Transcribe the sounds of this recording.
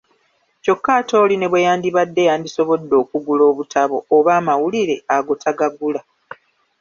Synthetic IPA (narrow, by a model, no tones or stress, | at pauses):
co̞kːaːto̞ːline̞βwejaːndiβadːe̞jaːndiso̞βo̞dːo̞ːkuɡulo̞ːβutʰaβo̞ːβaːmawuliɾe̞aɡo̞tʰaɡaɡula